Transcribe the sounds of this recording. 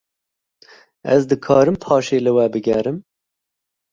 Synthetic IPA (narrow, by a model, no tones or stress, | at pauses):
ɛzd̪ɨkʰɑːɾɨmpʰɑːʃeːlɨwɛbɨɡɛɾɨm